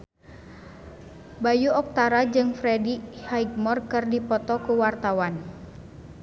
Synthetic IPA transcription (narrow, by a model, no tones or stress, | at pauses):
bajuɔk̚t̪aɾad͡ʒɨŋfɾɛdihaiɡ̚mɔrkɨrdipɔt̪ɔkuwart̪awan